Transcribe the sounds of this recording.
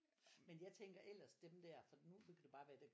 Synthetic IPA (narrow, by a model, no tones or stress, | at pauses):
menjɑ̈ɪt͡sʰeŋ̰ɡ̥ɐʔel̰ɐsd̥emd̥æɐ̰fɒ̽d̥inunkʰæd̥ub̥ɑ̈ːʋæːɐd̥e